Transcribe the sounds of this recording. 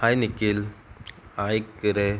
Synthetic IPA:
hajnikːil | ajkɾe

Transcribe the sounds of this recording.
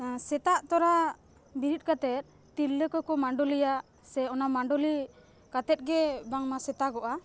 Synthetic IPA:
sɛt̪aʔt̪ɔɾa | biɾit̪̚kat̪ɛt̪̚ˀ | t̪ilːəkɔkɔmaɳɖɔlijaʔ | sɛɔnamaɳɖɔli | kat̪ɛt̪̚ɡɛbaŋmasɛt̪aɡɔʔa

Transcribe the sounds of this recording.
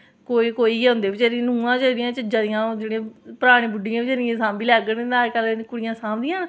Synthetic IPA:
koːiːkoːiʊ̃nd̪eːbɪt͡ʃeɾĩnũːãːt͡ʃəɾɪjãːt͡ʃəd͡ʒaːd̪ɪjãːd͡ʒeːɽẽːpəɾaːɽ̃ẽːbʊɖɪjãːɪt͡ʃəɾɪjãːsãːmbiːlɛːɡənəɾkəlkʊɽɪjãːsãːmd̪ɪjãː

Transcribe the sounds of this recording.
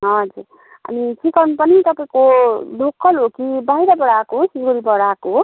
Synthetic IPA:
ɦʌd͡zuɾ | ʌ̰miʈʰikʌnupʌnit̪ʌpaĩkodʱokːʌlɦokibajɾʌbʌɽakosiɡoɾibʌɽako

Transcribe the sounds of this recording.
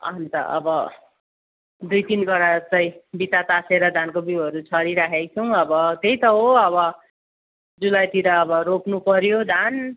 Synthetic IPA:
ʌ̰ʌnt̪ʌ̰ʔʌ̰bʌ | d̪ujt̪inbʌɾat͡sʌj̃bit̪at̪aseɾʌd̪ʱankobiʌɾut͡sʰʌɾiɾakʰejt͡sʰʌw̃ʌbʌt̪ejt̪ʌɦoʌbʌ | d͡zulajt̪iɾʌːbʌɾopnupʌɾjod̪ʱan

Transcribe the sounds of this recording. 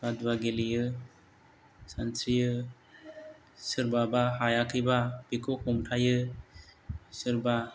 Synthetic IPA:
kadwaɡelijɯ | sansɾijɯ | sɯɾbabaɦajakʰɯjbabikʰokʰumtʰajɯ | sɯɾba

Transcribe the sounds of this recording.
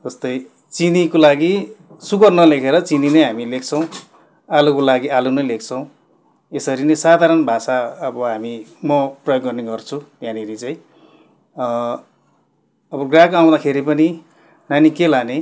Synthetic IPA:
d͡zʌst̪ʌj | t͡sinikolaɡi | sukʌrnʌlekʰeɾʌt͡sininʌjɦamilekʰt͡sʰʌ̃w̃ | alukolaɡiʔalunʌjlekʰt͡sʰʌw̃ | esʌɾinʌsad̪ʱaɾʌnbʱasaʌbʌɦamimʌprʌjoɡːʌrneɡʌrt͡sʰu | janʌɾit͡saĩ | ʌbʌɡrakaw̃d̪akʰeɾipʌni | nanikelane

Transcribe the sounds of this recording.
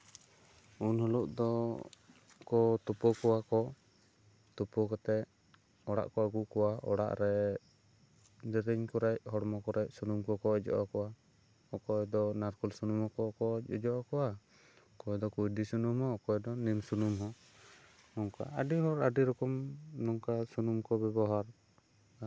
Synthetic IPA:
unhɔluʔd̪ɔ | kɔt̪upɔkɔwakɔ | t̪upɔkat̪ɛ | ɔɽa̰ʔkɔaɡuʔkɔwaɔ̰ɽa̰ʔɾɛ | d̪ɛɾɛɲkɔɾɛcɦɔɽmɔkɔɾɛc̚sunumkɔkɔɛd͡ʒɔ̰ʔɔkɔwa | ɔkɔɛd̪ɔnaɾkulsunumɔkɔkɔɔd͡ʒɔʔɔkɔwa | ɔkɔɛd̪ɔkujd̪isunumɦɔɔkɔjd̪ɔnimsunumɦɔ | nɔŋka̰aɖiɦɔɾaɖiɾɔkɔmnɔŋkasunumkɔbɛbɔɦaɾ

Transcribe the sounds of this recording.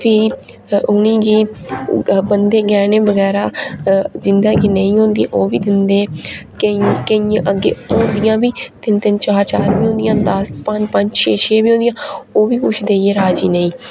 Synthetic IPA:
pʰiː | ʊnĩːɡiː | bənd̪eːɡɛːneːbəɡɛːɾaː | zɪnd̪ãːɡiːnəĩːɦõːnd̪ijã̰ːʔoːʋiːd̪ɪnd̪ẽːkəĩkəiãːʔəɡːḛːõːnd̪ɪjãːbiːt̪ɪnt̪ɪnt͡ʃaːɾt͡ʃaːɾʋiːõːnd̪ɪjãːd̪əspəɲd͡ʒpəɲd͡ʒt͡ʃʰeːt͡ʃʰeːʋiːɦõːd̪ɪjãːoːʋiːkʊt͡ʃʰd̪eːeːɾaːd͡ʒiːnəĩː

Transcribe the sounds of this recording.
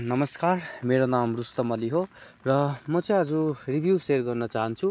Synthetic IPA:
nʌmʌskarmeɾonamrust̪ʌmʌliɦo | rʌmʌt͡sʌj̃ʌd͡zuribʱjuserɡʌrnʌt͡saɦʌnt͡sʰu

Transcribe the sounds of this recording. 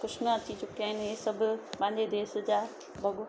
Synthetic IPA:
xʊʃmjãɐt͡ɕit͡ɕʊkiaːɦɪnɪɪsɐbʱʊpɐ̃ɦɪ̃ɲd͡ʑed̪eːsd͡ʑaː | bʱɐɡo

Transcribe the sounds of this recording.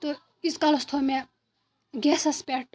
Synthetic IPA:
t̪o | iskalost̪ʰome | ɡɛsɐspeʈ̚

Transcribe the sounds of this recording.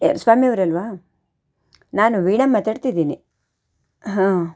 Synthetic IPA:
ḛɾsʋaːmiɐʋɐɾɐlʋaː | naːnuʋiːɳɐmːɐt̪aːɖt̪id̪iːni | ɦãː

